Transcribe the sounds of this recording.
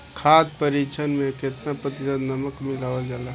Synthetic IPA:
kʰad̪̚pəɾit͡ʃʰənmẽkɪt̪napɾət̪isəd̪nəməkmɪlaːʋəd͡ʒala

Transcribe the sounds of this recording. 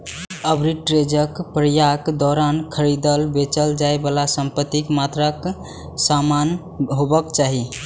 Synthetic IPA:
əbɾiʈɾed͡ʒəkpɾəjakd̪ɔɾankʰəɾid̪əlbet͡ʃəld͡ʒaebalasəmpət̪ːikmat̪ɾək | saman | ɦobəkt͡ʃaɦi

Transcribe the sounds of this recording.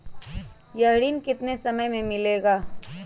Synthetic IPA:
jɐɦɽiːnkɪt̪nesɐməjmẽmɪleːɡaː

